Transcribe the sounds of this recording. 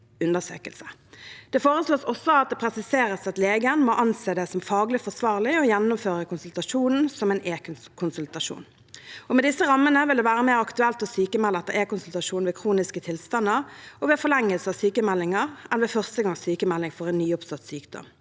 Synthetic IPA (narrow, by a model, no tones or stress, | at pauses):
ʉnd̪əsø̰ːkəlsə̥d̪̥ɛfoːʁəsloːsɔsːɔɑt̪̚d̪ɛpʰɾɛsɪseːʁəsɑt̪leːɡənmɔʔɑnseːd̪ɛsɔmfɑːɡlɪfɔsʋɑːʁlɪɔjɛnːʊmføːʁəkʰʊnsʉlt̪ɑʃuːnn̩sɔmɛneː | kʰʊnsʉlt̪ɑʂṵːn | ɔmɛd̪ɪsːəʁɑmːənəʋɪld̪ɛʋæːʁəmeːʁɑkt̪ʉɛlt̪ɔsyːkəmɛlɛt̪ːəʁeːkʊnsʉlt̪ɑʂuːnʋeːkʰʁuːnɪskət̪ʰɪlst̪ɑnːəʁɔʋɛːfɔʁlɛŋːəlsəɑsyːkəmɛlːɪŋɑʁɛnʋɛːfœʁst̪əɡɑŋsyːkəmɛlːɪŋfɔʁɛnːyːɔpsɑt̪ːsyːkd̪ɔ̰m